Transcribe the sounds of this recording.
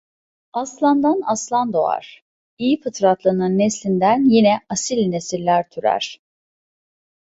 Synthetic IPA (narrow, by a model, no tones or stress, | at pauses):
aslˠand̪anaslˠand̪o̞a̰ɾ̥ | ijifɯt̪ʰɾat̪lˠanɯnːeslʲind̪ænjinɛasilʲnesilʲlʲæɾt̪ʰyɾæ̰ɾ̥